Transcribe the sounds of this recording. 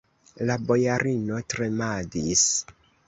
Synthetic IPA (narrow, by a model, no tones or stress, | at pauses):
labo̞jaɾʔino̞tɾe̞madis